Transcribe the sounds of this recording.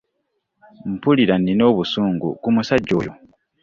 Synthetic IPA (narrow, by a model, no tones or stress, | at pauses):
m̩puliɾanːino̞ːβusuːŋɡṵkumusaɟːo̞̰ːjo